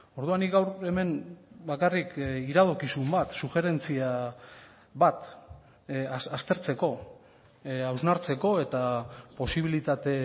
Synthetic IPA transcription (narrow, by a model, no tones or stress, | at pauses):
o̞ɾðuanːiɡawɾe̞me̞nbakarikiɾaðo̞kisumbat̪suxe̞ɾe̞nt͡sia | βat̪ | sast̪e̞ɾt͡se̞ko̞ | awznaɾt͡se̞ko̞e̞t̪apo̞siβ̞ilit̪at̪e̞